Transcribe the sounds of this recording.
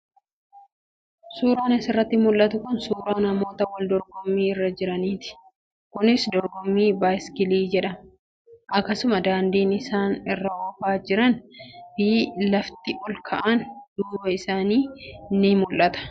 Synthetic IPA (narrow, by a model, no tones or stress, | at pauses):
suːɾaːnɪsɪrːɐt̪ːɪmʊlʔɐt̪ʊkʊnsuːɾaːnɐmo̞ːt̪ɐwɐld̪ɔɾɡɔmːiːɪrːɐd͡ʒɪɾɐniːt̪ɪ̥ | kʊnɪsd̪ɔɾɡɔmːiːbaːjskɪliːd͡ʒɛᶑɐm | ʔɐkːɐsʊmɐd̪aːnd̪iːnɪsaːnɪrːɐkɔfaːd͡ʒɪɾɐnb̥iːlɐft̪ɪʔɔlkʰɐʔɐnd̪uːwɐɪsaːniːnːɪmʊlʔɐt̪ɐ̥